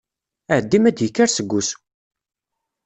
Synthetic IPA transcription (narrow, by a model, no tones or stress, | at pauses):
æʕəd̪ːimæd̪jəkːaɾsəɡʷːus